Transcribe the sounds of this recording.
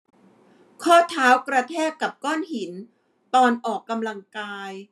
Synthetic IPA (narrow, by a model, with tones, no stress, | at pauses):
kʰɔː˥˩t̪ʰaː˦˥wkɾa˧t̪ʰɛː˥˩kkːa˨˩p̚kɔː˥˩nhi˨˩˦n | t̪ɔː˧nʔɔː˨˩kːa˧mla˧ŋkaː˧j